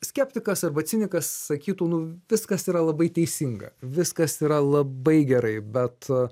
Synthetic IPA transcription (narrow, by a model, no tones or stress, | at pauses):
sʲkʲɛːpʲt̪ʲɪkɐsɐrbɐt̪sʲɪnʲɪkɐssɐkʲiːt̪uːnʊʋʲɪskɐsiːɾɐlˠɐbɐɪt̪ʲɛɪsʲiŋɡɐ̰ʋʲɪskɐsiːɾɐlˠɐbɐɪɡʲɛɾɐɪbʲɛt̪